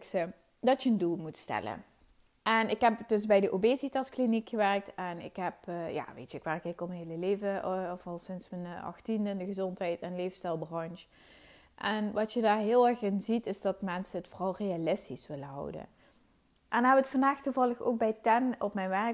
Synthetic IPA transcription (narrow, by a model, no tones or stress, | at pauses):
ksə | dɑtjəəndulˠmutstɛ̰lə̰ | ʔɛnɪkɦɛpdɵsbɛjdəʔobezitɑsklinikxəʋɛɹk̚tɛnɪ̰kɦɛpja̰ːʋḛjtəɪkʋɛrkɪkɔmənɦeləleːvəɔfɑlˠsɪnsmənɑ̰xtindəndəɣəzɔntɦɛjtɛnlejvəstɛlˠbrɑnʃ | ʔɛnʋɑtjədaːɹɦɪːlˠɛɹxɪnzitɪzdɑtmɛnsəətforɑlˠrejalɪstisʋɪləɦɑ̰wdə̰ | ʔɛnɦɛbəətfɑndaːxtuvɑlˠəxo̰wk̚bɛjtɛnɔpmɛjnʋɛ